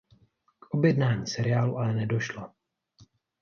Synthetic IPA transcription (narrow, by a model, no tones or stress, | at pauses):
kʔo̞bjɛdnaːɲiːsɛɾɪjaːluʔalɛnɛdo̞ʃlo